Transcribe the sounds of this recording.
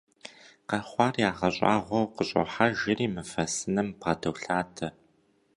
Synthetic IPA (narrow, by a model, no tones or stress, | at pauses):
qɐrχʷɑːrjaːʁɐɕʼa̰ːʁʷɔwqəɕʼɔ̰ħaʒɪriːmɨfɐsɨnɨmpʁɐdʰɐwɬaːtʰɐ